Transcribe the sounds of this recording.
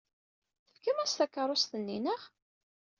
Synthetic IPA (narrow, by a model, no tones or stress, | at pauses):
θəfkəmæst̪ækːəɾˤost̪ənːinəʁ